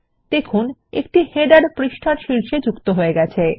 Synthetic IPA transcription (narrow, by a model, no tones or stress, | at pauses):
t̪ekʰunḛk̚ʈiheɖaɾpɾiʃʈʰaɾʃilʃed͡ʑukt̪oɦoeɡɛt͡ɕʰe